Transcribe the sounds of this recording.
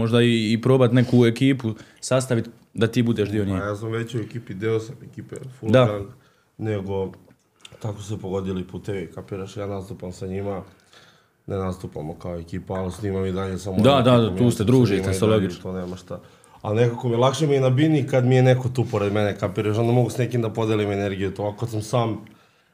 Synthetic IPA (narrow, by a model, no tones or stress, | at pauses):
moʒd̪aiːpɾo̞ːbat̪ne̞kuekiːpusast̪aʋit̪ | d̪at̪iːbud̪eːʃd̪ioɲeːjaːsamʋet͡ɕuekiːpid̪eosamekiːpefud̪aan | neɡo̞ | t̪akosepoɡod̪ilipuːt̪eʋikapiɾaʃjaːnast̪upamsaɲima | nʔenast̪upamokaoekiːpaalisniːmamid̪aʎesamod̪ad̪ad̪amtuːst̪ed̪ɾuːʒimaoloɡit͡ʃt̪oneːmaʃt̪a | anekakomijelˠakʃemienabinikad̪mijeneko̞t̪uːpoɾed̪menekapiɾaʃ̬nond̪moɡusnekimd̪apo̞d̪elimeneɾɡijut̪omakokad̪samsaːm